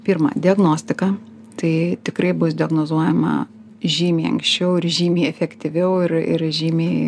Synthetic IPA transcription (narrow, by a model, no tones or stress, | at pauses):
pʲiːrmɐ̰d̪ʲɪɐɡnoːsʲt̪ʲɪkɐ | t̪ɐɪt̪ʲɪkɾɐɪbʊsd̪ʲɪɐɡnoːzuɔjɛmɐ̰ | ʒʲiːmʲiːɐ̰ŋksʲt͡ʃʲɛʊɪɾʒʲiːmʲiːɛfʲɛkt̪ʲɪʋʲɛʊɪɾɪ̰ɾʒʲiːmʲeː